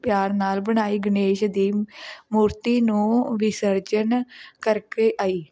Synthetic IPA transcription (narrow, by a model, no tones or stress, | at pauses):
pjaːɾnaːlbəɳ̃aːiːɡɪneːʃd̪iːmuːɾt̪iːnũːʋɪsəɾd͡ʒənkəɾkeːʔaːiː